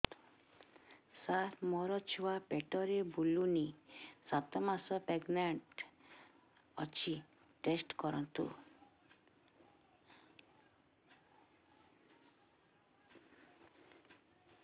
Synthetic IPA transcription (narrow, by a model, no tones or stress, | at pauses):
saɾmɔɾɔt͡ʃʰuwapeʈɔɾebulunisat̪ɔmasɔpeɡnaɳʈ | ɔ̰t͡ʃʰi | ʈesʈkɔɾɔnt̪ṵ